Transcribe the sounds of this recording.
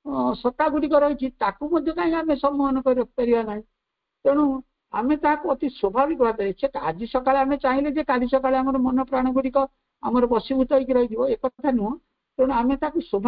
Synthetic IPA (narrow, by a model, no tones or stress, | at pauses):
sɔt̪aɡuɽikɔɾɔɦit͡ʃʰit̪akumɔd̪ʱjɔkaĩkamesɔmːɔɦɔnɔkɔɾiɾɔpaɾibanaɦĩ | t̪ẽɽ̃u | a̰met̪aɦakuɔt̪iswɔbʱabikɔbʱad̪ʱɔet͡ʃʰeta̰d͡ʒisɔkaɭeamet͡ʃaɦĩled͡ʒekaɾisɔkaɭeamɔɾɔmɔnɔpɾaɽ̃ɔɡuɽikɔ | amɔɾɔpɔsibut̪ɔikiɾɔɦid̪ʰʱibɔekɔt̪ʰanuɦɔ | keɽ̃uamet̪akuswɔbʱ